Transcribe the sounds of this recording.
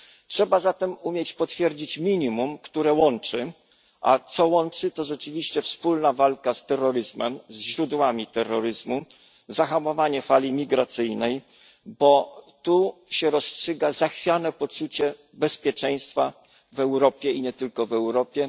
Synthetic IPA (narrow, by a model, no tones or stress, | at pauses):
tʂɛbazat̪ɛmumʲjet͡ɕpɔt̪fʲjɛɾd͡ʑit͡ɕmʲiɲimumkt̪uɾɛwɔnt͡ʂɘ | ʔa̰t̪sɔwɔnt͡ʂɘt̪ɔʐɛt͡ʂɘvʲiɕt͡ɕɛfspulnavalkast̪ɛrːɔɾɘzmɛmzʑɾud̪wamʲit̪ɛrːɔɾɘzmu | zaxamɔvaɲɛfalʲimʲiɡɾat̪sɘjnɛj | bɔt̪uɕɛɾɔstʂɘɡazaxfʲjanɛpɔt͡ʂut͡ɕɛ | bɛspʲjɛt͡ʂɛj̃st̪fa | vɛwɾɔpʲjɛiɲɛt̪ɘlkɔvɛwɾɔpʲjɛ